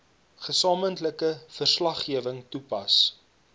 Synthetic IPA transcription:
χəsɑːməntləkəfərslɐχːiəvəŋtupɐs

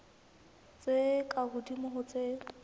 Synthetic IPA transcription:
t͡sʼekʼaɣʊdimʊɦʊt͡sʼe

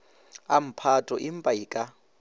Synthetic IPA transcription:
am̩pʰatʼɔʔim̩pʼaikʼa

